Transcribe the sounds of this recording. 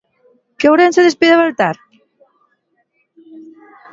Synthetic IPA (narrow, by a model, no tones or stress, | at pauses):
kewɾenseðespiðaβalt̪aɾ